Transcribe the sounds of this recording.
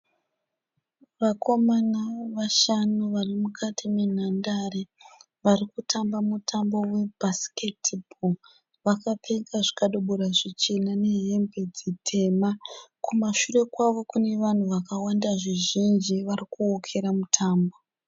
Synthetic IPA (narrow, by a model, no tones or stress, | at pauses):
ʋakʰo̞manaʋaʃanuʋarimukʰatʰimen̤andare | ʋarikutʰambamutʰambo̞we̞basi̥ke̞tʰbʱo | ʋakapʰeŋɡaʐi̥kaɗo̞ɓoɾaʐit͡ʃenane̞ɦe̞mbed͡zitʰe̞makʰumaʃure̞kwaʋo̞kune̞ʋan̤uʋakawandaʐiʒind͡ʒiʋarikuokʰe̞ɾamutʰaːmbo